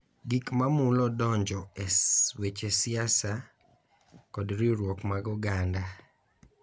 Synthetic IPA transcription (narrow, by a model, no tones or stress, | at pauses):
ɡikmamulɔdɔɲd͡ʒɔewet͡ʃesɪasa | kɔdɾiɾwɔkmaɡɔɡanda